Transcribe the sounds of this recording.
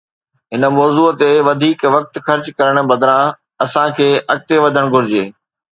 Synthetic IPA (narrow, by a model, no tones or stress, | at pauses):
ɦɪnəmɔːzuːət̪eʋɐd̪ʱiːkʋɐk̚t̪xɐɾt͡ɕkɐɾəɽ̃̆bɐd̪ɾã | ɐsãkʰeːʔɐk̚t̪eʋɐd̪ʱəɽ̃ɡʱʊɾɪd͡ʑeː